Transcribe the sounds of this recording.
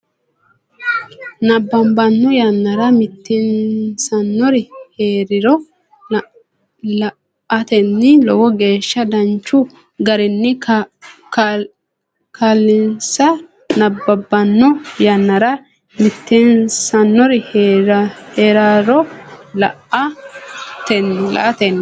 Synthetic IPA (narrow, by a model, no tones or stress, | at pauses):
nɐbːɐmbɐnːɔjɐnːɐɾɐmɪt̪ːɛnsɐnːɔɾɪheːɾɪɾɔ | lɐ | ɐt̪ɛnːɪlɔwɔɡe̞ːʃːɐd̪ɐnt͡ʃːʊ | ɡɐɾɛnːɪ | k | kalːɪnsɐ | nɐbːɐbːɐnːɔjanːɐɾɐ | mɪt̪ːɛnsɐnːɔɾɪh | heːɾaːɾɔlɐʔɐ | t̪ɛnːɪlɐ̰ʔɐt̪ɛnː